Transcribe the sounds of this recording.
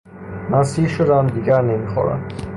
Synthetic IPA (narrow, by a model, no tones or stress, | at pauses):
mæsiːlʃod̪æmd̪iːɡæɾnemiːxɒ̰ːɾæ̰m